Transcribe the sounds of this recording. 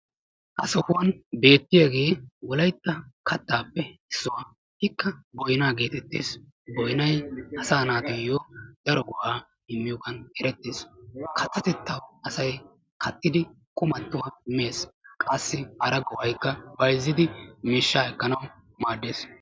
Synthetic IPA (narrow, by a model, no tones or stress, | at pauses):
ʔɐsɔhʊwɐnbe̞ːt̪ːɪjɐɡe̞ːwɔlɐjt̪ːɐkʰɐt̪ːaːpːɛɪsːʊwaː | hɪkːɐbɔjnaːɡe̞ːt̪ɛt̪ːḛːs | bɔjnɐjʔɐsaːnaːt̪ɔjoːd̪ɐɾɔɡʊhaː | ɪmːɪjoːɡɐnɛɾɛt̪ːeːskʰɐt̪ːɐt̪ɛt̪ːɐwɐsɐj | kʰɐt̪ːɪd̪ɪ | kʼʊmɐt̪ːʊwamːe̞ːskʼɐsːɪʔɐɾɐɡɔwɐjkːɐbɐjzːɪd̪ɪmɪʃːaːɛkːɐnɐw | maːd̪ːeːs